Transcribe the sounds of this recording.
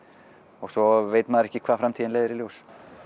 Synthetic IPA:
ɔɣsɔveːjt̪maːðɾɛhcɪkʰvaːðfɾamt̪ʰiðnlejðɪɾɪljows

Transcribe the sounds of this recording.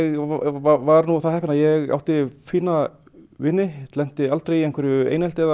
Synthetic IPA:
ɣvavaɾnuθaðhɛhpɪnaðjɛɣa̰wt̪ɪfiːna | vɪnːɪt̪lɛn̥t̪ɪalt̪ɾejɛmŋkvɛɾʏḛjnɛlt̪ɪɛð

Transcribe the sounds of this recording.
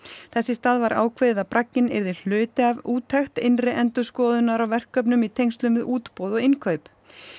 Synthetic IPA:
θɛsːɪst̪aːðvaɾʔa̰ːwkʰveːðɪðapɾacɲɪnɛ̰ɾðɪl̥œːt̪ɪavuːt̪ʰːaxt̪ɪnrɪʔɛnt̪ʏskɔːðʏnːaɾawvɛr̥kːœp̬nʏmit̪ʰejŋst̪lʏmvɪðuːt̪powðɔɣɪnkʰœɥp

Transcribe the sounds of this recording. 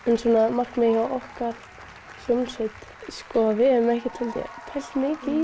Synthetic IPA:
ɛnsɔːnamar̥kmɛhawɔhkaɾ̥ | sjowmnsɪt̪skɔvɪðɛmɛhcɪt̪lɛmt̪ɪ̰t̪ʰɛl̥t̪mɪːcɪ

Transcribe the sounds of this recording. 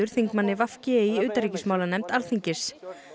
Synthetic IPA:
ʏɾ̥θiŋkmanːɪvafcɪiʏːt̪aɾiːcɪsmaːwlanɛmt̪alθiɲcɪ̥s

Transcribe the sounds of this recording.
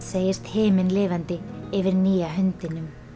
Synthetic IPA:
seːjɪst̪hɪːmɪnlɪːvant̪ɪɪvɪɾniːaɦʏnt̪ɪnʏm

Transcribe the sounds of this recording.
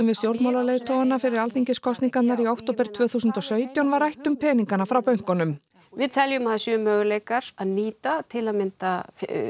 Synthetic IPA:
ɛmvɪðst̪jowɾt̪mawlaleːjðt̪ʰoːwanafɪɾɪɾalθiɲcɪskʰɔst̪niŋkat̪naɾiawkt̪owpɛɾ̥t̪ʰv̥œːθuːsʏnt̪ɔsœːɥt̪jawnvaɾajht̪ʏmpʰɛːniŋkanafɾawpœɥŋ̥kɔnʏm | vɪðt̪ʰɛljʏmahasjʏːmːœːɣʏlejkaɾaðniːt̪at̪ʰɪlaðmɪnt̪a

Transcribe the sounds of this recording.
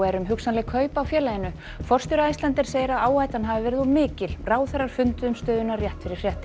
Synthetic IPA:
ɛɾʏmɦʏksanlɛɣkʰœːɥpawfjɛːlajɪnʏ | fɔr̥t̪jʏɾaist̪lɛnt̪ɪɾ̥seːjɪɾaðaːwhajt̪anɦavɪvɛːɾɪðɔmɪːcɪlraːwθɛrːaɾ̥fʏnt̪ʏʏmst̪œːðʏnːarjɛht̪fɪɾɪ̥fjɛht̪

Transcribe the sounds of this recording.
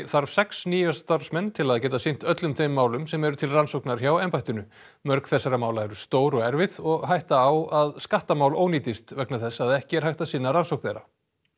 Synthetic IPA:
θaɾv̥sɛksniːjast̪aɾsmɛnːt̪ʰɪlaðcɛːt̪asɪn̥t̪œt̪lʏmθejmːaːwlʏmsɛmɛɾʏt̪ʰɪlransowknaɾçawɛmpajht̪ʏnʏ | mœɾkθɛsːaɾamaːwlaɛɾʏst̪oːwɾɔɣɛɾvɪðɔɣɦajht̪aːwaðskaht̪amaːwloːwniːt̪ɪst̪vɛknaθɛsːaðɛhcɪɛɾ̥hajht̪asɪnːaɾansowkn̥θejɾa

